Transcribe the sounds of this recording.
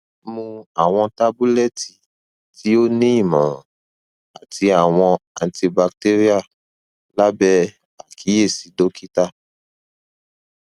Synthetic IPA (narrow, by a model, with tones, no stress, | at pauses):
mũ˧a˨w̃ɔ̃˧ta˧˦bu˦lɛ˦˨ti˨ | ti˨˦o˦nĩ˦i˦˨mã˨ | a˨ti˧a˨w̃ɔ̃˧a˧nti˧ba˧k̚te˦ɾi˦a˦˨ | la˦bɛ˦ | a˨kʰi˨˦e˦˨si˨˦do˦ki˦ta˦˨